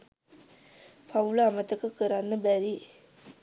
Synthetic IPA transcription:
pʰaʋulaːmət̪əkəkəɾanːəbæɾi

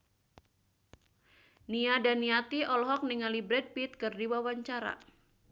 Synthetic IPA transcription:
niadaniat̪iɔlɦɔk̚niŋalibɾɛd̚pit̪̚kɨrdiwawaɲt͡ʃaɾa̰

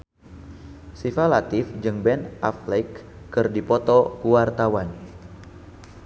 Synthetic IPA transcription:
sifalat̪ɪfd͡ʒɨŋbɛnʔa̰flɛkː | ɨrdipɔt̪ɔkuart̪awan

